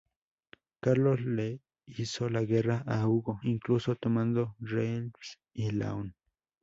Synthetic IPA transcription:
kaɾlosle | isolaɣeraʔauɡoiŋklusot̪omand̪oɾens | ila̰on

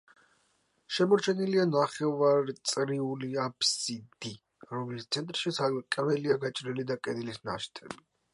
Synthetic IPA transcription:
ʃɛmɔɾt͡ʃʰɛnilianaχɛvaɾt̪sʼɾiuliapʰsid̪i | ɾɔmlist̪sʰɛnt̪ʼɾʃisalkʼɛvɛliaɡat͡ʃʼɾilid̪akʼɛd̪ilisna̰ʃt̪ʰɛbi

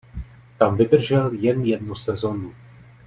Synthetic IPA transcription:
t̪amvɪd̪r̩ʒɛljɛnjɛdnusɛzonu

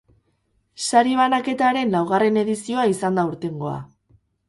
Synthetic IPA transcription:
saɾiβ̞anake̞t̪aɾe̞nlawɣ̞are̞ne̞ðisio̞aisand̪auɾt̪e̞ŋɡo̞a̰

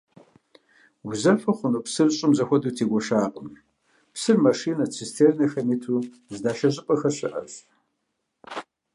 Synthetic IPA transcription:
ɡzɐfɐχʷʊnuːpsɨrɕʼɪmzɐxʷɔduːtʰeːɡʷɔʃaːqʼəm | psɨrmɐʂiːnɐt͡sʰistʰeːrnɐxɐmitʰuː | zdaːʃɐʑʼɪqʼɐxɐɕɪ̰ʔɐ̰f

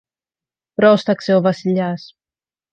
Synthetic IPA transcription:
pɾɔst̪aksewβasiʎas

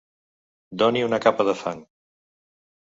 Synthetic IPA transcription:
d̪ɔniunəkapəðəfaŋ

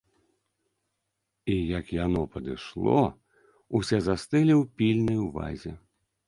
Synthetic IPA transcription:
ijɐkjanɔpɐd̪ɨʂlˠɔ̰ | usʲɛzast̪ɨlʲiwpʲilʲnɐjwva̰zʲɛ

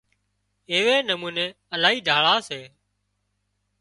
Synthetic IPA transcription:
ɪːʋeːnəmuːneː | əlaːɦiːɖʱaːɭaːseː

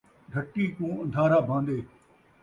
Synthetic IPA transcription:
ɖʱɐʈːiːkũːɐ̃nd̪ʱaːɾabʱãːnd̪eː

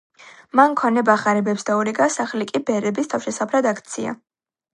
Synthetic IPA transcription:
mankʰɔnɛbaχaɾɛbɛpsd̪auɾiɡasaχlikʼibɛɾɛbist̪ʰafʃɛsapʰɾad̪akʰt̪sʰia̰

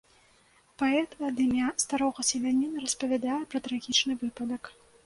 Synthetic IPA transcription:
paɛt̪ɐd̪ɨmʲast̪aɾɔɣɐsʲɛlʲanʲːinɐrɐspɐvʲad̪ajɛpɾɐt̪ɾaɣʲit͡ʂnɨvɨpɐd̪ɐk

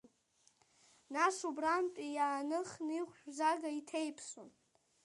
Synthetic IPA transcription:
naʂubrampʼijaːnɨχniʁʷʃᶣzaɡaitʰejpʰson

